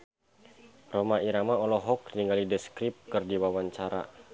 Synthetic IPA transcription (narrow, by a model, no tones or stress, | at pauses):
romaiɾamaɔlɔɦɔk̚niŋɡalidəskɾip̚kɨrdiwawaɲt͡ʃaɾa̰